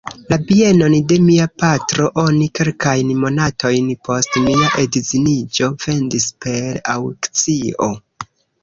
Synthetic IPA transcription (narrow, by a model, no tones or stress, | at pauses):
labie̞no̞nde̞miapatɾo̞ʔo̞nike̞lkajnmo̞natʰo̞jnpʰo̞stmiaʔedzinid͡ʒo̞fe̞ndispe̞ɾa̰wkt͡sio̞̰